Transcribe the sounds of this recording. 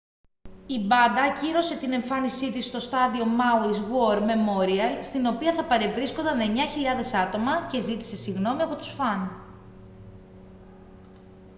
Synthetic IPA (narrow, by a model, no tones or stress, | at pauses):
ibɐnd̪ɐciɾo̞se̞t̪ine̞ɱfɐnisit̪ist̪o̞st̪ɐðio̞mɐwizɣo̞ɾme̞mo̞ɾiɐst̪ino̞piɐθɐpɐɾe̞vɾiskond̪ɐne̞ɲɐçiʎɐðe̞sɐt̪o̞mɐce̞zit̪i̥se̞siɣno̞miɐpo̞t̪usfɐn